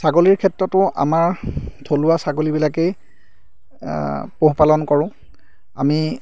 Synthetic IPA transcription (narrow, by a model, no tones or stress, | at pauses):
saɡoliɹkʰɛtɹɔtʊʔa̰maɹdʰʱolʊasaɡolibilakej | poɦpalɔnkɔɹʊ̃ | a̰mi